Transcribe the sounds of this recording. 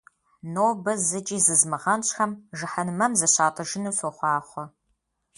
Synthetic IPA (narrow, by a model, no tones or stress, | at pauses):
noːbɐzɨt͡ʃʼiːzɨzmɨʁɐnɕʼxɐmʒɨħɐnɨmɐmzɐɕaːtʼɨʒɪnuːsoχʷɑːχʷɔ